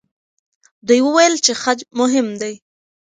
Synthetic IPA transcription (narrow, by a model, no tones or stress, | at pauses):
d̪ujwəwajəlt͡ʃexad͡ʒmʊɦɪmd̪aj